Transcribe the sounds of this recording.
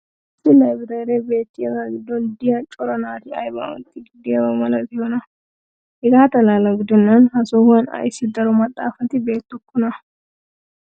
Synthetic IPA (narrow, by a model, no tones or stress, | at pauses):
sɪlɐjbɪt̪ɐɾebe̞ːt̪ːɪjɐɡaɡɪd̪ːɔnd̪ɪjɐt͡ʃʼɔɾɐnaːt̪ɪɐ̰jbɐ̰wɔ̰nt̪ːɪɡɪd̪ːɪjɐwɐmɐlɐt̪ɪhɔnɐ | ɛɡaːt̪ɐlalɐɡɪd̪ːɔnːɐnhɐsɔhɐnɐ̰jɪsɪd̪ɐɾɔmɐt̪ʼːa̰ːfɐt̪ɪbe̞ːt̪ːʊkːʊnɐ